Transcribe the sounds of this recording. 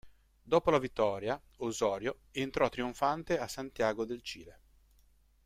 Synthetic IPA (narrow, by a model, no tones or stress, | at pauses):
d̪oːpolavit̪ːɔːɾja | ozɔːɾjo | ent̪ɾɔt̪ːɾioɱfant̪easːant̪jaːɡod̪elt͡ʃiːle